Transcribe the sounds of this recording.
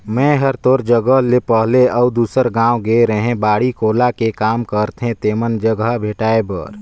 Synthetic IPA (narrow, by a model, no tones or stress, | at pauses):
mɛ̃ɦəɾt̪oːɾd͡ʒəɡəɦlepəɦleʔəud̪uːsəɾɡãːwɡeɾəɦẽbaːɽikoːlakekaːmkəɾt̪ʰɦẽt̪eːmənd͡ʒəɡəbʱeːʈaːebə̰ɾ